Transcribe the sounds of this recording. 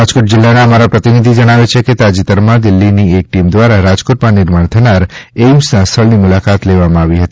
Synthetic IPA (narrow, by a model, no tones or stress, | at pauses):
ɾad͡ʒkoʈ̚d͡ʒɪlːaneəmaɾapɾət̪inid̪ʱid͡ʒəɽ̃aʋet͡ʃʰeket̪ad͡ʒit̪əɾmãd̪ɪlːiniek̚ʈimd̪ʋaɾaɾad͡ʒkoʈmãnɪɾmaɳ̃t̪ʰənaɾemsãst̪ʰəɭnimʊlakat̪leʋamãaʋiɦət̪i